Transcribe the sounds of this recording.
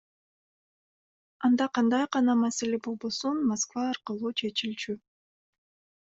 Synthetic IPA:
ɑnd̪ɑqɑnd̪ɑjqɑnɑmæselebo̞lˠbo̞sunmoskvɑːɾqɯlˠuːt͡ʃʰe̞t͡ʃilt͡ʃy

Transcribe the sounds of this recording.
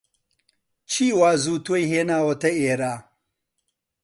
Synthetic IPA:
t͡ʃʰiːwaːzuːt̪uejɦeːnaːwot̪ɐeːɾaː

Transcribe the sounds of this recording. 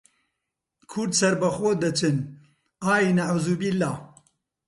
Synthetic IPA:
kʰʊɾd̪sɐɾbɐxoːd̪ɐt͡ʃʰɨn | aːjinaʕuːzubilːaː

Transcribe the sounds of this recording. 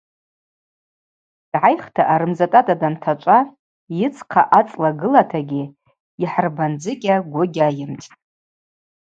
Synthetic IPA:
d̥ʕajχtʰaʔaɾɨmzatʼatʼadamtʰat͡ʃʷʼa | jɪt͡sʰqʰa̰ʔat͡sʼlaɡɨlatʰaɡʲi | iħrband͡zɨkʲʼaɡʷʊɡʲajɪmtʼ

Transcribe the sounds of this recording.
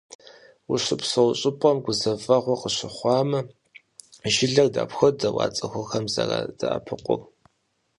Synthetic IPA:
wʊɕɪpsɐwɕʼɪpʼɔmɡʷʊzɐvɐʁʷɔqəɕɪχʷɑːmɐ | ʒɪɮɐrda̰ːpxʷɔdɐwɑ̰ːt͡sʼɐxʷɔxɐmzɐrɐ̰d̥ɐʔɐ̰pʰɨqʷʊ̰r

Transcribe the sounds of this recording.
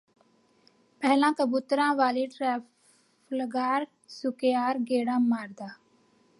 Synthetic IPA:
pɛɦlãːkəbuːt̪ɾãːʋaːliːʈɾɛː | fləɡaːɾ | sʊkejaːɾɡeːɽãːmaːɾd̪aː

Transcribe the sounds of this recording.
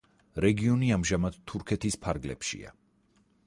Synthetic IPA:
ɾɛɡiɔniamʒamad̪̥t̪ʰːuɾkʰɛt̪ʰispʰaɾɡlɛ̰pʃḭa̰

